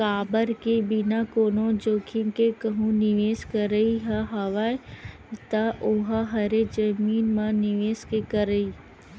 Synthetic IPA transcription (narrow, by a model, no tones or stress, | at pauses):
kaːbəɾkebɪnakoːnod͡ʒoːkʰiŋkekəɦũnɪʋeːskəɾəiɦəɦɐʋaːe | t̪ɐʔʊɦaɦɐɾed͡ʒɐmiːnmãnɪʋeːskekəɾəiː